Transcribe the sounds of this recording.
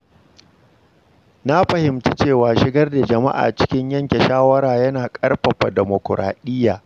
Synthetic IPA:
na˦ɸɐ˨hɪ˨mti˦t͡ʃeː˦˨waː˨ʃɪ˦ɡɐ˦rda˨d͡ʒɐ˨ma̰˦ʔa̰ː˨t͡ʃɪ̥˦kʲɪ˦ɲjɐ˦ŋkʲe˨ʃaː˦wɐ˦ɾaː˨jɐ˦naː˨kʼɐ˦rɸɐ˨ɸa˨dɛ˨mo˨kɾʔa̰ː˨ɗɪ˦jːaː˨

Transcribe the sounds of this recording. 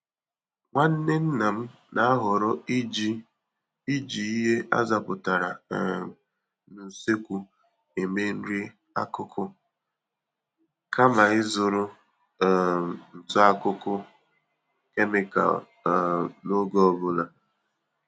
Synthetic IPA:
ŋʷa˦n̩˦ne˦n̩˦na˨m̩˦ | na˦a˦ɦʊ˨ɾʊ˦d͡ʒ | i˦d͡ʒi˨i˦ɦe˦ʔa̰˦za˨pʊ˨ta˨ɾa̰˨ | nu˨se˦kʷu˨ | e˨me˦n̩˦ɾi˦ | a̰˦kʊ˦kʰʊ˦ | kʰa˦ma˨ɪ˦zʊ˨ɾʊ˦˨ | n̩˨tɔ˦a˦kʊ˦kʊ˦ | ke˦mɪ˨ka̰˨ | no˦ɡɔ˦ɔ˦˨bʊ˦la˨

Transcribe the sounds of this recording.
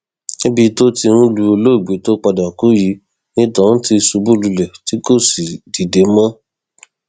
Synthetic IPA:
e˦bi˧to˦ti˧ɾ̃ũ˦lu˧o˧lo˦i˨ɡ͡be˨˦to˦k͡pa˧da˨ku˨˦ji˨˦ | nĩ˦tã˦ti˧su˧bu˦lu˧lɛ˨ti˦ko˦˨si˨di˨de˨˦mã˦

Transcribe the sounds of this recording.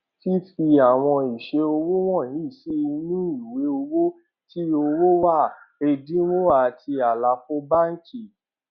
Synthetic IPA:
ti˦fi˧a˨w̃ɔ̃˧i˨ʃe˧o˧wo˦w̃ɔ̃˦˨nĩ˨˦˨ʃi˦i˧nĩ˦i˨we˨˦o˧wo˦ | ti˦o˧wo˦wa˦˨ | e˧dĩ˦wo˦a˨tʰi˧a˨la˨˧˦fo˦ba˦n̩˦t͡ʃi˦˨

